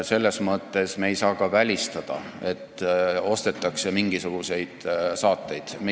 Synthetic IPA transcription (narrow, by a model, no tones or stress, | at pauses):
se̞lːe̞smɤt̪ːˑe̞sme̞ːjsɑːkɑvælʲist̪ɑd̪̥ɑ | e̞t̪ːˑo̞st̪e̞t̪ːˑɑkse̞miŋɡ̥isuɡ̥use̞jd̪̥sɑːt̪ːˑe̞jd̪̥m